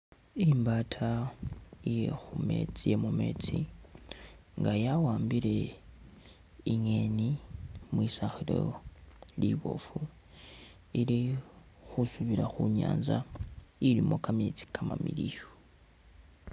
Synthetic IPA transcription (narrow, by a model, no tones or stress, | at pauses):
imbatʰa | jexumḛt͡sijemume̞̰ːt͡si | ŋɡajawaːmbiɾe̞ | iɲenimwisaxilo̰ | liβo̞̰fu | ili | xusuβiɾaxuɲa̰ːnzailimo̞kamet͡si̥kʰama̰milijo